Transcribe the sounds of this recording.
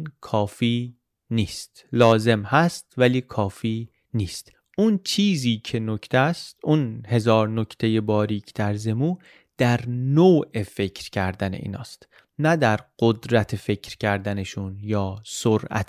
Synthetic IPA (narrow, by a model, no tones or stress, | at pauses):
nkʰɒːfiː | niːst̪lɒːze̞mhæst̪væliːkʰɒːfiː | niːst̪ | ʔunt͡ʃʰiːziːcʰe̞nocʰt̪ʰæst̪unhe̞zɒːɾnocʰt̪ʰe̞je̞bɒːɾiːcʰd̪̥æɾze̞muː | d̪̥æɾnoːʔe̞fe̞cʰɾcʰæɾd̪ænḛʔḭːnɒ̰ːst̪ | næd̪æɾɢ̥od̪ɾæt̪ʰefe̞cʰɾcʰæɾd̪æne̞ʃunjɒːsoɾʔæ̰t̪